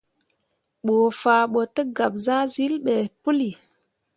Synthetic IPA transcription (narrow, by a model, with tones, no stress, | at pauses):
ɓoː˨faː˨ɓo˨tə˦ɡa˨b̚za˦zi˦lɓe˨pu˦li˨